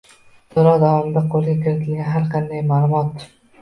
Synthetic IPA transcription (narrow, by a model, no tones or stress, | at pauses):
sʰoɾɒd̪avɒmɪd̪aqʰolˠɡʲakʲʰɪɾat̪ʰɪlɡʲanɦaɾqʰɑnd̪ajmaːlˠʊmɒt̪̚